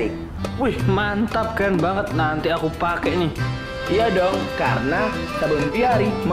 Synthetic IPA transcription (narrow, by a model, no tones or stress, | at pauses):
i | puihmant̪ap̚kanbaŋət̪̚nant̪iakupakɛʔni | iadɔŋkarəna | sabəŋp̪iaɾim